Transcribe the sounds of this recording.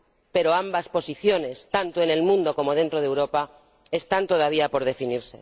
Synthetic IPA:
pe̞ɾo̞ambaspo̞siθjo̞ne̞st̪ant̪oe̞ne̞lmũnd̪o̞ko̞mo̞ðe̞nt̪ɾo̞ð̞e̞wɾo̞pa | e̞st̪ant̪o̞ð̞aβ̞iapo̞ɾð̞e̞finiɾse̞

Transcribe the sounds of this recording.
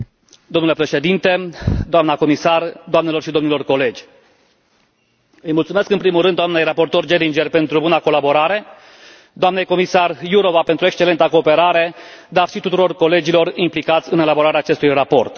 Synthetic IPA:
d̪omnule̞pɾe̞ʃe̞d̪int̪e̞d̪oamnako̞misard̪oamne̞lo̞rʃid̪o̞mnilo̞rko̞le̞d͡ʒʲ | ɨjmult̪sume̞skɨnpɾimulrɨnd̪oamne̞jrapo̞rt̪o̞rd͡ʒeɾind͡ʒerpe̞nt̪ɾubunako̞labo̞ɾaɾe̞ | d̪oamnejko̞misarjuɾo̞vape̞nt̪ɾue̞kst͡ʃelent̪əko̞ːpe̞ɾaɾe̞d̪arʃit̪ut̪uɾo̞rko̞le̞d͡ʒilo̞rimplikat̪sʲɨne̞labo̞ɾaɾeaːt͡ʃe̞st̪ujrapo̞rt̪

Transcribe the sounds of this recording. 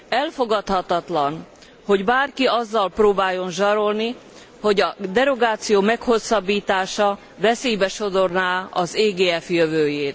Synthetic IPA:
ɛlfo̞ɡɒt̪hɒt̪ɒt̪lɒn | ho̞ɟbaːrkiɒzːɒlproːbaːjo̞nʒɒɾo̞lni | ho̞ɟɒd̪ɛɾo̞ɡaːt̪sijoːmɛkho̞sːɒbːiːt̪aːʃɒ | vɛsejbɛʃo̞d̪o̞rnaːɒzeːɡeːɛfjøvøːjeːt̪

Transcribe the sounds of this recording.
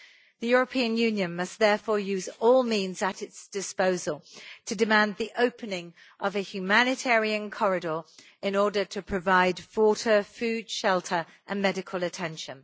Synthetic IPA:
ðəjʊɹəpʰĩə̃njʉ̃njə̃nmʌsðɛfɔːjʉːzɔːlˠmĩnzətɪtsd̥ɪspoʊzəlˠtʰədɪmæ̃nðiʔəʊpʰənɪ̃ŋ | ʔəvəhjʉmanɪtʰɛːɹiə̃nkʰɒɹɪdɔːɹ | ɪ̃nɔːdətʰəpʰɹ̥əvaɪd̥fɔˑtʰəfʉːd̥ʃɛlˠtʰəɹ | ʔə̃nmɛɾɪkʰəlˠətʰɛ̃nʃə̃n

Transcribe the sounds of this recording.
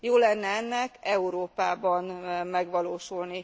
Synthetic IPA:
joːlɛnːɛɛnːɛkɛuɾoːpaːbɒnmɛɡʋɒloːʃulni

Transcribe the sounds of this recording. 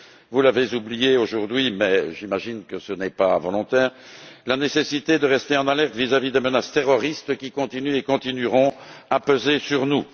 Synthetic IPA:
vulavezublijeoʒuʁd̪ɥimɛʒimaʒinkəsənɛpavɔlɔ̃t̪ɛːʁ | lanesesit̪ed̪əʁɛst̪eɑ̃nalɛʁt̪vizavid̪emənast̪eʁɔʁist̪kʲikɔ̃t̪inyekɔ̃t̪inyʁɔ̃apøzesyʁnu

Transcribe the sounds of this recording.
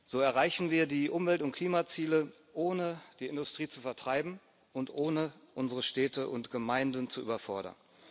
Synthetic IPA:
z̥oːɛɐʁaɪçn̩viːɐdiːʔʊmvɛltʊntkʰl̥iːmat͡siːlə | ʔoːnəd̥iːɪndʊstʁ̥iːt͡sufɛɐtʁ̥aɪbm̩ | ʔʊntʔoːnəʔʊnzəʁəʃtɛːtʰəʔʊntɡ̥əmaɪndən̩t͡suʔy̰ːbɐfɔɐɾɐ̰n

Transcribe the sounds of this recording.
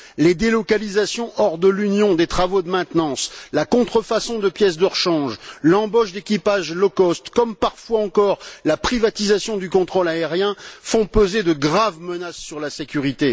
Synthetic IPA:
led̪elɔkalizasjɔ̃ʔɔʁd̪əlynjɔ̃d̪et̪χavod̪əmɛ̃t̪nɑ̃slakɔ̃t̪χəfasɔ̃d̪əpjɛs̬d̪ɔʁʃɑ̃ʒlɑ̃bɔʃd̪ekʲipaʒlɔkɔst̪kɔmpaʁfwaɑ̃kɔʁlapχivat̪izasjɔ̃d̪ykɔ̃t̪χolaeʁjɛ̃fɔ̃pøzed̪əɡʁavmənasːyʁlasekʲyʁit̪e

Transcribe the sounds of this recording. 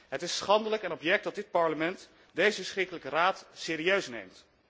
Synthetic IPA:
ɦətɪsχɑndələkɛnɔpjɛk̚dɑt̚dɪt̚pɑɹləmɛnt | dejzəsχrɪkələkəraːtseːɾiøɥsnḛjmt

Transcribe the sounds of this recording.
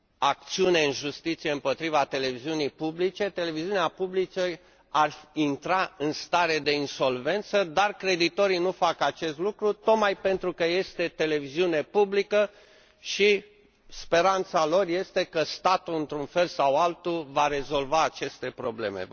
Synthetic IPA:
ak̚t̪siune̞ɨnʒust̪it̪sije̞ɨmpo̞t̪ɾivat̪e̞le̞viziunijpublit͡ʃe̞t̪e̞le̞viziuneapublit͡ʃe | arint̪ɾaɨnst̪aɾe̞d̪e̞inso̞lve̞nt̪səd̪arkɾe̞d̪it̪o̞ɾinufakat͡ʃe̞st̪lukɾut̪o̞t̪majpe̞nt̪ɾukəje̞st̪e̞t̪e̞le̞viziune̞publikə | ʃi | spe̞ɾant̪salo̞rje̞st̪e̞kəst̪at̪uɨnt̪ɾunfe̞lsawalt̪uvaɾe̞zo̞lvaːt͡ʃe̞st̪e̞pɾo̞ble̞̰me̞̰

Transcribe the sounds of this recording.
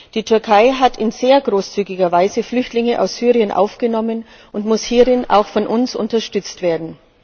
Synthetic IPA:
d̥iːtʰʏɐkʰaɪɦatʰɪnzeːɐɡʁoːst͡syːɡɪɡɐvaɪzəflʏçtlɪŋəʔa̰ʊsz̥yːʁiənʔa̰ʊfɡ̥ənɔmən | ʔʊntmʊshiːʁɪnʔa̰ʊxfɔnʔʊnsʊ̰ntɐʃtʏt͡stv̥eːɐdn̩

